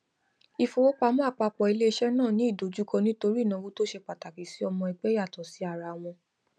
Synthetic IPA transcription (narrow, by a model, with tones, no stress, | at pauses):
i˧fo˧wo˦k͡pa˧mɔ̃˦a˦˨k͡pa˧k͡pɔ˨i˧le˦i˧ʃɛ˦nãː˦˨nĩ˨˦i˦˨do˨˦d͡ʒu˦kɔ˧nĩ˦to˧ɾi˦˨nã˨˧wo˦to˦ʃe˧k͡pa˨ta˨ki˨si˨˦ɔ˧mɔ̃˧i˧ɡ͡bɛ˦ja˦˨tɔ˨si˨˦a˦˨ɾa˧˨w̃ɔ̃˧